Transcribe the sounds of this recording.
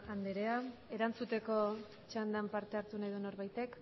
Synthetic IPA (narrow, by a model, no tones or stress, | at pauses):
and̪eɾe̞ae̞ɾant͡sut̪e̞ko̞ | t͡ʃand̪ampaɾt̪e̞aɾt̪unajðuno̞ɾβajt̪e̞k